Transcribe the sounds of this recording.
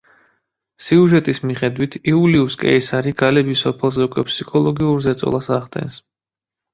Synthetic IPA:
siuʒɛt̪ʼismiχɛd̪wit̪ʰiuliuskʼɛ̰isaɾiɡ̥alɛbisɔpʰɛlˠzɛukʼwɛpʰsikʰɔlˠɔɡiuɾzɛt̪sʼɔ̰lˠasaʁt̪ʼɛ̰ns

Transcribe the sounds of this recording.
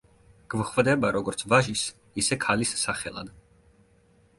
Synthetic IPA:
ɡ̥vχvd̪ɛbaɾɔɡɔɾt̪sʰvaʒis | isɛkʰalisːaχɛlˠa̰d̪

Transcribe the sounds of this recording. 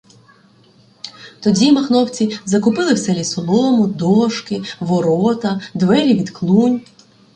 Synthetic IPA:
t̪ɔdʲimɐxnɔwt͡sʲizɐkʊpɪlˠɪwsɛlʲisɔlˠɔmʊd̪ɔʃkɪʋɔɾɔt̪ɐd̪ʋɛɾʲiʋʲid̪klˠunʲ

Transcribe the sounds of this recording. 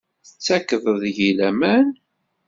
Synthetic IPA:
θət͡sːækːəðˤəðʝilæmæn

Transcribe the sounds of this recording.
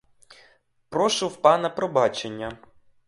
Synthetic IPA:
pɾɔʃuwpɑnɐpɾɔbɑt͡ʃenʲːɐ

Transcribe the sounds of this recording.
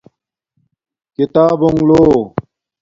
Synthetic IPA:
kit̪aːboŋloː

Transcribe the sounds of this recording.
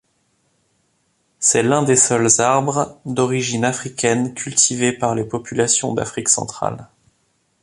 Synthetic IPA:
sɛlɛ̃d̪esɔlzaʁbʁd̪ɔʁiʒinafχikʲɛnkʲʰylt̪ʰivepaʁlepɔpylasjɔ̃d̪a̰fχiksɑ̰̃t̪χa̰l

